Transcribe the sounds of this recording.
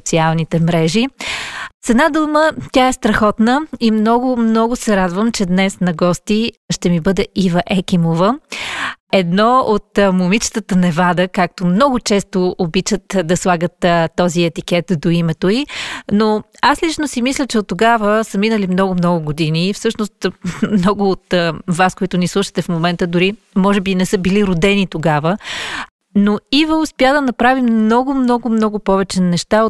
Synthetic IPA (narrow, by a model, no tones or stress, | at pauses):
t̪sialˠnit̪ɛmɾɛʒi | t̪sɛd̪nad̪umət̪ʲaɛst̪ɾɐxɔt̪nəimnɔɡʊmnɔɡʊsɛɾad̪vəmt͡ʃɛd̪nɛsnɐɡɔst̪iʃt̪ɛmibɤd̪ɛivɐʔɛkʲimovə | ɛd̪nɔot̪momit͡ʃt̪ət̪ənɛvad̪əkak̚t̪omnɔɡʊt͡ʃɛst̪oobit͡ʃət̪d̪ɐslˠaɡət̪t̪ːɔziɛt̪ik̟ɛt̪d̪oimɛt̪oinoaslit͡ʃnosimislʲət͡ʃɛot̪ːoɡavəsɐminəlimnɔɡʊmnɔɡʊɡod̪iniːfsɤʃnost̪mnɔɡʊːt̪vaskoit̪ʊnislˠuʃə̥t̪ɛfmomɛnt̪əd̪ʊɾi | mɔʒɛbinɛsɤbiliɾod̪ɛnit̪oɡavə | noivəʊspjad̪ɐnɐpɾavimnɔɡʊmnɔɡʊmnɔɡʊpɔvɛt͡ʃɛnɛʃt̪a